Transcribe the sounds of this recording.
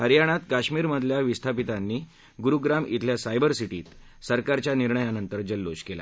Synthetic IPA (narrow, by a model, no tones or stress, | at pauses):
həɾjaɽ̃at̪kaɕmiːɾməd̪ʱljaʋist̪ʰapit̪anːiː | ɡuɾuɡɾamḭt̪ʰljasajbəɾsiʈiːt̪ | səɾkaɾt͡ɕjaniɾɳəjanənt̪əɾd͡ʑəlːoɕkela̰